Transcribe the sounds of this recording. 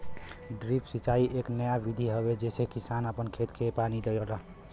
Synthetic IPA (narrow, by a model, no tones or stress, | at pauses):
ɖɾipsit͡ʃaiʔeknəjabid̪ʱiɦəβed͡ʒesekisanəpənkʰet̪kʰepanid̪ejələ